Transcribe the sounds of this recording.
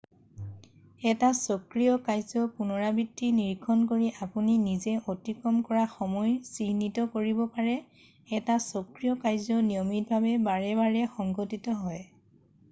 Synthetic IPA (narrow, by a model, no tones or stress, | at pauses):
ɛtasɔkɹijɔkajzɔpunɔɹabitːiniɹkʰːɔnkoɹiʔapuninizɛʔotikɹɔmkɔɹaxɔmɔjsinːitɔkoɹibɔpaɹɛ | ɛtasɔkɹijɔkajzɔnijɔmit̚bʱabɛbaɹɛβaɹɛxɔŋɡɔtitɔɦɔj